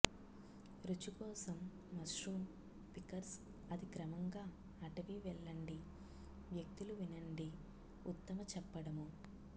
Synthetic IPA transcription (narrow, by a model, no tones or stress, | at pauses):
ɾut͡ʃukɔːsɐmː | ɐsɾum | pikɐɾs | ɐd̪ikɾɐmɐŋɡaː | ɐʈɐʋiʋɛɭːɐɳɖi | ʋjɐk̚t̪iluʋinɐɳɖi | ut̪ːɐmɐt͡ʃɛpːɐɽɐmu